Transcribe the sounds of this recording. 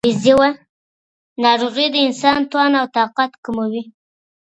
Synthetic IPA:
ɪziwa | nɑɾuɣid̪əɪnsɑnt̪wɑnawt̪ɑqat̪kumawi

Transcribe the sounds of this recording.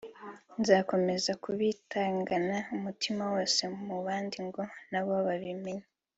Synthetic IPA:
nzaːko̞me̞zakuβitaːŋɡanaumutʰimawo̞ːse̞muβaːndiŋɡo̞naβoβaβimeɲa

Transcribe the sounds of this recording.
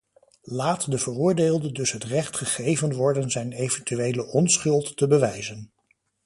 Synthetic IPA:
laːtdəvərʊːɹdeːlˠdədɵsɦətrɛχtχəχejvənʋɔɹdənzɛjnejvəntyʋejləʔɔnsχɵlˠtːəbəʋɛjzən

